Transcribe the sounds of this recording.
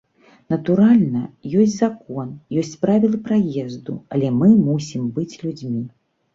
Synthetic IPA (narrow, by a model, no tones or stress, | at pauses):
nɐt̪uɾalʲnɐjɔsʲd͡zʲzakɔnjɔsʲt͡sʲpɾavʲilˠɨpɾajɛzd̪ṵɐlʲɛmɨmusʲimbɨt͡sʲlʲud͡zʲmʲi